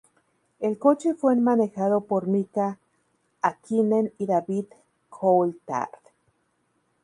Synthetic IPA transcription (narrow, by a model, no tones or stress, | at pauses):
elkot͡ʃefwenmanexaðopoɾmikaː | kʰineniðaβið | kʰolt̪a̰ɾt̪